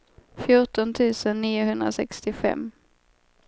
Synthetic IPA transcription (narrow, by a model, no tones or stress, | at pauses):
fjʊʈɔnt̪ʰʉ̟ːsənːiːʊɦɵnd̪ɾasɛkst̪ɪfɛ̰mː